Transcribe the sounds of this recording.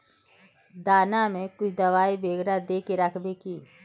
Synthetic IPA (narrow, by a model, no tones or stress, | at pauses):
d̪aːnamẽkʊt͡ʃʰd̪ɐʋaːibeːɡɽad̪eːkeɾəkʰbekiː